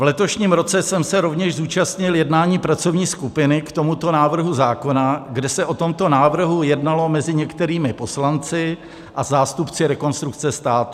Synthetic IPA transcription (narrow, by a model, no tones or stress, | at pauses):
vlɛt̪o̞ʃɲiːmɾo̞t͡sɛsɛmsɛɾo̞vɲɛʃzuːt͡ʃast̪ɲɪljɛdnaːɲiːpɾat͡so̞vɲiːskupɪnɪkt̪o̞mut̪o̞naːvr̩ɦuzaːko̞naɡdɛsɛʔo̞t̪o̞mt̪o̞naːvr̩ɦujɛdnalo̞mɛzɪɲɛkt̪ɛɾiːmɪpo̞slant͡sɪ | ʔazaːst̪upt͡sɪɾɛko̞nst̪ɾuk̚t͡sɛst̪aːt̪u̥